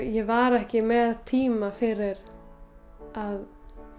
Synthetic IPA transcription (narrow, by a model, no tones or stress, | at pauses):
jɛvaɾɛhcɪmɛðat̪ʰiːmafɪɾɪɾ | að